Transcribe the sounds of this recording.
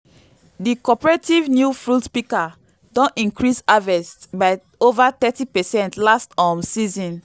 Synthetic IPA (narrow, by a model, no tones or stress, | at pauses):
dikɔpɛɹetivnjufɹutpika | dɔ̃nĩŋkɹisavɛstbaɪ | ovat̪ɛtipɛsɛ̃ntlastɔ̃msizɔ̃n